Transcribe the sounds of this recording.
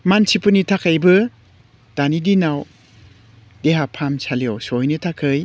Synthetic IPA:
mansipɯnitʰakʰajbɯ | d̥anidinaw | deɦapʰamsʰalijowsojnitʰakʰɯj

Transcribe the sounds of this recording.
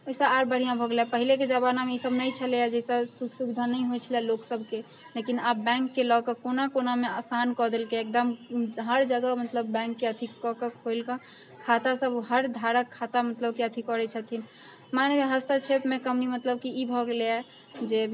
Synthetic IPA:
oisə̃aɾbəɽ̤ijãbʱɔɡelɛpəɦileked͡ʒəbanameisəbnəjt͡ʃʰəlead͡ʒɛisəsuksubid̪ʱanɛiɦojt͡ʃʰilɛloksəb̚ʱke | lekinabɛ̃ŋkːelɔkekonakonameasankɔd̪elkeek̚d̪əmɦəɾd͡ʒəɡəmət̪ləbːɛ̃ŋkːeət̪ʰikɔkəkɦoɪlkə̃ | kʰat̪asəbɦəɾd̪ʱaɾəkʰːat̪amət̪ləbkeət̪ʰikɔɾɛt͡ʃʰət̪ʰin | manebeɦəst̪at͡ʃʰepmekəmnimət̪ləb̚kiibʱɔɡelea | d͡ʒe

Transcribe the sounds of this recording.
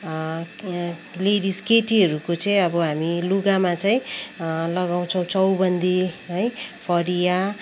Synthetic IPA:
leɽiskeʈiʌɾukot͡sʌĩʌbʌɦamiluɡamat͡saĩlʌɡaw̃t͡sʰʌ̃w̃t͡sʌwbʌnd̪iɦʌjpʰʌɾija

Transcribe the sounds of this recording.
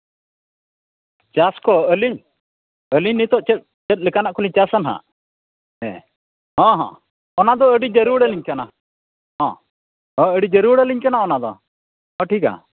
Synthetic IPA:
t͡ʃaskɔəliɲ | əliɲnːit̪ɔʔt͡ʃɛt̪̚t͡ʃɛt̪̚lɛkanaʔkɔliɲt͡ʃasanɦa̰ | ɛ̰ | ɦɔ̃ɦɔ̰̃ | ɔnad̪ɔəɖid͡ʒəɾuɽəliɲkana | ɦɔ̃ | ɔ̃əɖid͡ʒəɾuɽəliɲkanaɔnad̪ɔ̰ | ɦɔ̃ʈʰika̰

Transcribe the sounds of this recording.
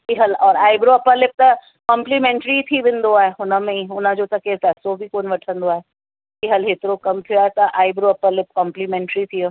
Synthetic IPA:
ɪɦəlɔːɾaːɪbɾoɐpəɾlɪp̚t̪ɐ | kɔ̃mplimɛ̃ːɳʈɾit̪ʰiʋɪ̃nd̪oaːɦeɦʊnə̆mẽiʊnəd͡ʑot̪ɐkepɛːsobʱikoːnʋɐʈʰə̃nd̪oaːɦe | kɪɦəlɦɪt̪ɪɾokɐmt̪ʰijoaːɦet̪ɐʔaːɪbɾoɐpəɾlɪp̚kɔ̃ːmplimɛ̃ːɳʈɾit̪ʰijo

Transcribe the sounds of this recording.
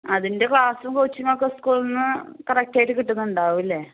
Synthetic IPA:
ɐðinde̞kɭaːsumkoɻt͡ɕːumoːkːeskuːɭɐnːɨkɐrɐk̚ʈaːjʈːɨkiʈːunːuuɳɖaːʋʋilːe

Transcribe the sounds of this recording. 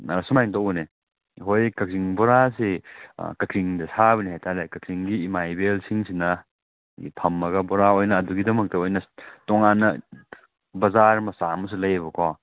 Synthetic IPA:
ɐɐsumajŋtɐwne | ɦojkɐk̚ziŋbɔɾasḛkɐkʰɾiŋdɐsʰaβɐnihajtʰalekɐkʰɾiŋɡiːmajbelsʰiŋsinɐ | ḭpʰɐmːɐɡɐbɔɾaojnɐːduɡidɐmɐk̚tɐojnɐtɔŋanːɐ | bɐzaɾmɐsamɐs̬ulɐjɐβɐkʰɔ

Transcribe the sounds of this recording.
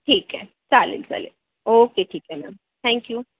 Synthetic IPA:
ʈʰiːkɦɛ̃ | saːlḛlsa̰lḛ | oːkeʈʰiːkɦɛmɛ̰ːm | t̪ʰɛ̃ːŋkjuː

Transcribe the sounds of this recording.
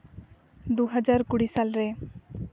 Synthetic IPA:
d̪uɦʌd͡ʒaɾkuɽisalɾe

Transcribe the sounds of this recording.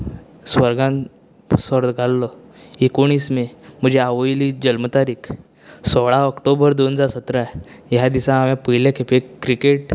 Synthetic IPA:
sʋəɾɡãn | səɾd̪ɡʱalːɔ | ekoɽ̃iːsmem̤əd͡ʑeaʋəjlid͡ʑəlmət̪aɾiːkʰ | sɔɭaəkʈobəɾd̪onəd͡zaɾsət̪ɾajad̪isãamjapəɦlekʰepekːɾikeʈ

